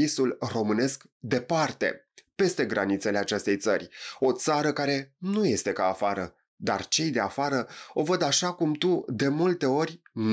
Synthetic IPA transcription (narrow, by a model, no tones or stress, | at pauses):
isulro̞mɨne̞sk | d̪e̞part̪e̞̰pe̞st̪e̞ɡɾanit̪sele̞at͡ʃe̞st̪e̞jt̪sə̰rʲo̞t̪saɾəkaɾe̞nuje̞st̪e̞kaːfaɾə | d̪a̰rt͡ʃe̞jd̪e̞afaɾəo̞vəd̪aʃakumt̪ud̪e̞mult̪e̞o̞ɾʲn